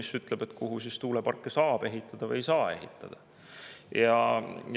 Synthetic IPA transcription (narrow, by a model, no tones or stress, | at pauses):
isyt̪ˑleb̥e̞t̪kuɦusist̪uːlepɑrkˑːesɑːb̥e̞ɦit̪ˑːɑd̪̥ɑvɯjsɑːe̞̰ɦḭt̪ˑːɑ̰d̪̥ɑ | jɑ